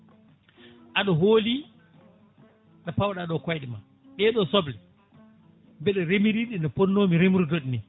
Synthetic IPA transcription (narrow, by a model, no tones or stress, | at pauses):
ʔaɗɔɦoːli | ɗapawɗaɗɔkwajɗima | ɗɛɗɔsɔblɛ | bɛɗɔɾemiɾiɗinɔpɔnːomiɾemuɾdoɗni